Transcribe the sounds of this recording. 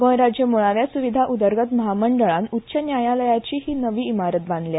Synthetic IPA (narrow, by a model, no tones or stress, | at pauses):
ɡəjɾad͡ʑjəmoɭaʋjasuʋid̪ʱaʔud̪əɾɡət̪məɦaməɳɖəɭanutːɕənjajaləjat͡ɕiːɦiːnəʋiːimaɾət̪̚bãnd̪lja